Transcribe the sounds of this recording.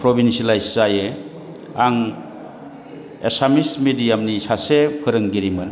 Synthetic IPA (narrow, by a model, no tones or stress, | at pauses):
pɾobinsilajsːaje | aŋ | esamismidijamnisasepʰɯɾɯŋɡiɾimɯn